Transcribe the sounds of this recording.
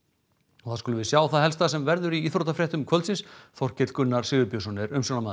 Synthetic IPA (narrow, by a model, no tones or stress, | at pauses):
ɔθaðskʏlʏvɪðsjaːwθaðɦɛlst̪asɛmvɛɾðʏɾiiθɾoːt̪afɾɛht̪ʏmkʰœlsɪnsθɔr̥cɛt̪l̥kʏnːaɾ̥sɪɣʏpjœsɔnɪɾʏmsownamaː